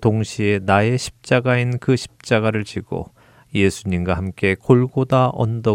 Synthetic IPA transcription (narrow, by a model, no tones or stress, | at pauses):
toŋɕʰienae̞ɕʰi̥p̚t͡ɕ͈aɡainkɯɕʰi̥p̚t͡ɕ͈aɡaɾɯɭt͡ɕiɡ̥o̰ | je̞sʰuɲimɡwahamk͈e̞koɭɡodaʔʌ̰ndʌ